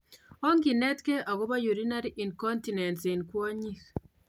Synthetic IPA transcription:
o˦ŋɡi˨nɛ˦tke˦ʔa˨ɣo˦βa˦ju˨ɾi˦na˦ɾi˦ʔi˨nkɔ˦nti˨nɛ˨nsi˨nkwɔ˦ɲi˦x

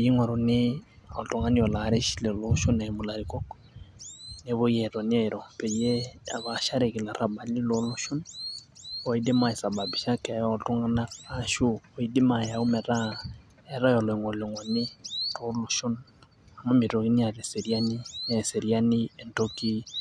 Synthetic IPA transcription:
ji˦ŋwa˨ɾo˨nɪ˦ɔ˨to˨ŋɡa˦ni˦ɔ˨la˨ɾe˦ʃi˦le˨lo˦ʃo˦na˨mʊ˨la˨ɾikɔ˦k | ne˦βo˦jɛ˨tɔ˨nɛ˦˨ɾɔ˨pɛ˨je˦a˨βa˨ʃa˦ɾe˨ki˨la˨ɾa˨ba˨lɪ˦lo˦lo˦ʃo˦n | ɔ˨i˦de˦ma˨ɛ˨sa˨ba˨bi˨ʃa˦kɛ˨jɔ˨to˦ŋa˦naː˦ʃu˦ɔ˨i˦dɪ˦ma˨ja˨u˦mɛ˨ɾa˦ | ɛ˨ɾa˦jɔ˨lɔ˨i˨ŋwɔ˨le˨ŋwɔ˨nɪ˦ɾo˦lo˦ʃʊ˦n | a˨mo˦mi˨ɾo˨ki˦ni˦a˨ɾe˨se˨ɾi˦a˦ni˦nɛ˨se˨ɾi˦a˦ni˦ɛ˨nto˦ki˦

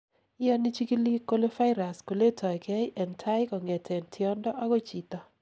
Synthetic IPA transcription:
jɔ˦ni˦t͡ʃi˦ki˦li˦ko˦lo˦fa˦ɪ˦ɾa˨sko˨le˦tʰɔ˨jkʰɛ˦ʔɛ˨ntʰa˦ɪ˦kɔ˨ŋɛ˨tʰɛ˨ntʰɪ˨ɔ˦ndɔ˦ʔa˦ɡɔ˦t͡ʃi˨t̪ɔ˨

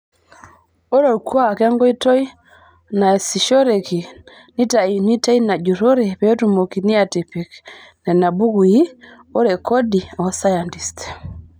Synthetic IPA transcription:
o˦ɾɛ˨u˨kwa˨kɛ˦ŋɡɔ˦i˦tɔ˦i˦ | na˨si˨ʃɔ˦ɾɛ˨ki˨ | ni˦ta˨ni˦ta˦i˦na˨ɟu˨ɾɔ˦ɾɛ˨pɛ˨ɔ˦tu˨mo˨ki˨ni˦a˨ti˨pi˨knɛ˨na˨bu˦ɣu˨i˦ | o˦ɾɛ˨kʰɔ˦di˨ɔsa˦ja˨nti˨stɛ̥˨

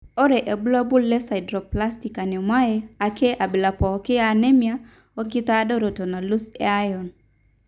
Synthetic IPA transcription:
ɔ˦ɾɛ˨ʔɛ˨bu˦la˦bu˦lːɛ˦sa˨i˨dɾɔ˨pla˦sti˨ka˨nɛ˨mwa˦jɛa˨kʰɛ˦ʔa˨bi˨la˨pɔ˨kɛ˦a˨nɛ˦mja˦ | o˦ɡi˦ta˦dɔ˦ɾo˨tɔ˨na˨lu˦sɛ̰a˦jɔ˨n

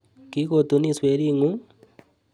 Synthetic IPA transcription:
ki˦kot̪u˦ni˦swe˦ɾi˦ŋu˦

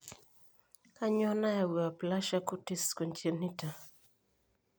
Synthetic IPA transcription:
ka˦ɲɔ˦na˦ja˨wi˨a˨pla˦ʃa˦ku˦ti˦skɔ˨nt͡ʃe˨ni˦ta˨

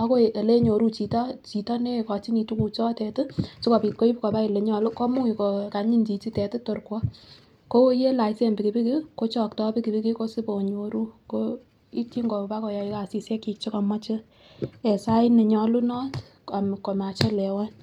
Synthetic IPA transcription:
ɔ˦ko˦˨ʔe˨le˦ɲo˨ɾu˦t͡ʃi˨tɔ˦t͡ʃi˨tɔ˦ne˦kɔ˨t͡ʃi˦ni˨tu˦ku˨t͡ʃɔ˦tɛ˨tɪ˦sɪ˦ko˨pi˨t̚ko˦i˦pkɔ˨ba˦i˨le˨ɲɔ˨lʊ˦kɔ˦mʊ˦ŋi˨ko˨ka˨ɲi˦nt͡ʃi˨t͡ʃi˦tɛ˨tɪ˦to˨rkwɔ˦ | ko˦je˦la˨ɪse˦˨mbi˨ki˨bi˦ki˦ko˦t͡ʃɔ˨k̚tɔ˦pi˦ki˨bi˦kɪ˦ko˦sɪ˦po˨ɲo˨ɾu˦ko˦ | i˦t͡ʃi˦ŋɡo˨pa˦kɔ˨ja˨i˦ka˨si˨sjɛ˦ki˧k̚t͡ʃi˦kɔ˨ma˦t͡ʃɪ˦ | ɛ˨sa˦ɪ˦ne˨ɲɔ˧lu˦nɔ˦t | a˨m˨ko˨ma˨t͡ʃe˦lɛ˨wa˦n

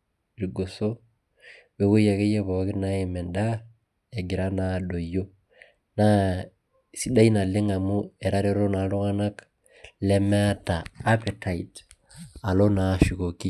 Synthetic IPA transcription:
ɾi˨ɡo˨so˦ | we˨˦ko˦ja˨ke˦je˦βɔ˨kɪ˦na˦e˨mɛ˨nda˦ | e˨ɡɪ˨ɾa˦na˨do˨jo˦ | na˦ | si˦da˦i˦na˨lɪ˦ŋa˨mu˦ɛ˨ɾa˦ɾe˦ɾo˦na˨˦lo˦ŋa˦na˦k | lɛ˦me˦a˦taː˨˦pe˨ta˨i˨t | a˨lo˦na˨ʃi˨ko˨ki˦

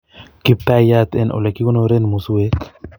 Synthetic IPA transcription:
ki˦p̚t̪a˦ja˦t̪ɛ˦˨nʔo̰˨le˨ki˦ko˦no˧ɾe˦nmu˨su˦we˦

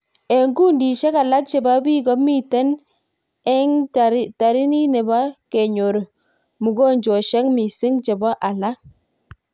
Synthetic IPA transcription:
e˨ŋɡu˦ndi˨ʃɛ˦ka˨la˦k̚t͡ʃe˨ba˦bi˦ɡɔ˦mi˦tɛ˦n | ɛ˦ŋta˨ɾi˦ni˦ne˨ba˦ke˨ɲo˨ɾo˨ | mu˨ɡo˦ɲd͡ʒo˨ʃɛ˦ŋmi˨sɪ˦ŋt͡ʃe˨ba˦ʔa˨la˦k̚

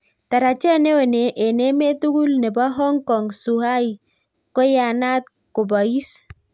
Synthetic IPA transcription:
ta˨ɾa˨t͡ʃɛ˦ne˦we˨ne˨ʔe˨ne˦me˦tu˦ɡu˦lnɛ˨ba˦ɦɔ˦ŋkɔ˨ŋsu˨ha˦i˨ | kɔ˦ja˨na˦t̪̚ | ku˨ba˨i˦s

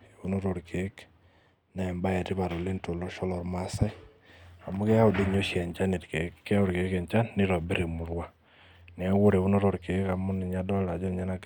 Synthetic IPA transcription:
e˨βu˦no˦ɾo˨ɾkʰe˨˦k | na˨ɛ˨mba˦ja˨tɪ˦βa˨ɾo˨le˦nto˨lɔ˦ʃɔ˦lɔ˨ɾma˦sa˦j | a˨mʊ˦kɛ˦a˦ʊ˨de˦ɲo˦ʃi˦a˨ɲt͡ʃa˦ni˨tke˨kːɛ˦a˦ʊ˦ɾke˨˦kɛ˨ɲt͡ʃa˦nːɪ˦ɾɔ˨be˦ɾe˨mu˨˦ɾwa˦ | nɪ˨a˦wʊ˦ɾe˨βu˦no˦ɾo˨ɾke˨˦ka˨mʊ˦nɪ˨ɲa˦dɔ˦la˨d͡ʒɔ˦˨ɲa˦na˦ɡ

